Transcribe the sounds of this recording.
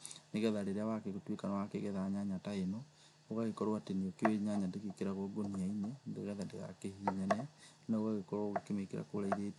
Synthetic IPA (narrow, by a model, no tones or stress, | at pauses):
neɣɛðaɾeɾeawakeɣotwekanawakeɣɛðaaɲaɲataenɔ | oɣaɣekɔɾoateniokeweɲaɲandeɣekeɾaɣoɡoniaiɲendeɣɛðandeɣa̰kehiɲɛnɛ | naoɣaɣekɔɾoɣekemekeɾa̰koɾaiðet